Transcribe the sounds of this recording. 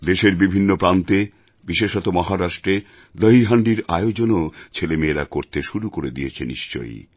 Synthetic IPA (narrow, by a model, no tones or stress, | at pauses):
d̪eʃeɾbibʱinːopɾant̪e | biʃeʃɔt̪omɔɦaɾaʃʈɾe | d̪ɔɦiɦaɳɖiɾaeod͡ʑonot͡ɕʰelemeːɾakoɾt̪eʃuɾukoɾed̪ijet͡ɕʰenḭʃt͡ɕo̰j